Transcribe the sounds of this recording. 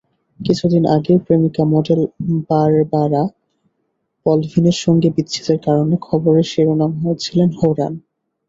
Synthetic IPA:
kit͡ɕʰud̪inʔaɡeopɾemikamɔɖelbaɾbaɾa | pɔlvʱineɾʃɔŋɡebit̪ːɕʰi̥t̪eɾkaɾonekʰɔboɾeʃeɾonamɦojet͡ɕʰilenɦoɾan

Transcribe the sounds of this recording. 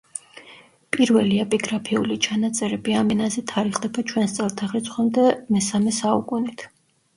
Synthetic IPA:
pʼiɾvɛliɛpʼiɡɾapʰiulit͡ʃʰanat̪sʼɛɾɛbiamɛnazɛt̪ʰaɾiχd̪ɛbat͡ʃʰwɛnst̪sʼɛlˠt̪ʰaχɾit̪sʰʼχwɛmd̪ɛmɛsamɛsaukʼunit̪ʰ

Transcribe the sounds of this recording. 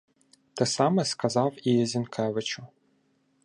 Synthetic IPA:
t̪ɛsɑmɛskɐzɑwijɛzʲinkʰɛʋɪt͡ʃʊ

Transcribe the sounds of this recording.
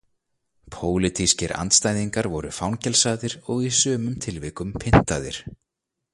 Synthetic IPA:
pʰoːwlɪt̪ʰiscɪɾʔa̰nt̪st̪aːjðiŋkaɾvɔɾʏfawncɛlsaːðɪɾɔɣisœːmʏmt̪ʰɪlvɪːkʏmpʰɪn̥t̪aːðɪɾ̥

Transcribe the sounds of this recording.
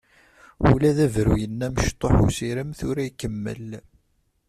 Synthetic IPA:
ṵlæðævɾujənːæməʃt̪ˤːoħusiɾəmθʊɾæikːəmːə̰l

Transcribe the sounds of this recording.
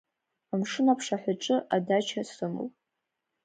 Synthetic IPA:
amʂɨnapʰʂaħʷaʈ͡ʂʼɨʔadat͡ʃʰasɨmɨ̰l

